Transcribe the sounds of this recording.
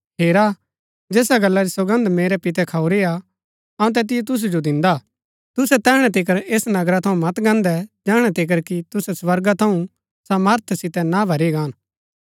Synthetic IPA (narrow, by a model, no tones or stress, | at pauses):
ɦeːɾa | d͡ʒeːsaɡɐlːaɾisɐɡə̃nd̪meːɾɛpɪt̪̬ɛkʰaːuɾea | ɐũt̪̬ɛːt̪̬ɪjɛt̪̬ʊs̬ud͡ʒod̪ɪ̃nd̪a | t̪ʊsɛt̪ɛːɽ̃ɛt̪̬ɪk̬əɾeːsnɐɡɾat̪ʰɐũmɐt̪ɡɐ̃ːnd̪ɛd͡ʒɛːɽ̃ɛt̪ɪk̬əɾkit̪ʊsɛswɐɾɡat̪ʰɐũ | sɐməɾt̪ʰsɪt̪ɛnabʱɐɾeɡãːn